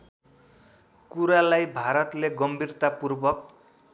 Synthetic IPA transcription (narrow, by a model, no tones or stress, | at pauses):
kuɾalajbʱaɾʌt̪leɡʌmbʱirt̪apurbʌk̚